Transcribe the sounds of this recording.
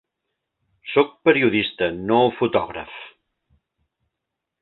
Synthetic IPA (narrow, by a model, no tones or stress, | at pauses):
sok̚pəɾiuðist̪ənofut̪ɔɣɾə̰f